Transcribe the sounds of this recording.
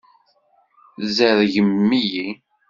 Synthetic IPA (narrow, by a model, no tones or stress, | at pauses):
zəðʝəmːiji